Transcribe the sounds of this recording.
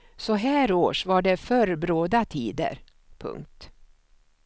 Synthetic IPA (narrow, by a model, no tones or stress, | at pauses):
sɔɦæːɾoːʂvaɖɛfœɾbɾoːd̪at̪ʰiːd̪ə̰ɾ | pʰɵ̰ŋk̚t̪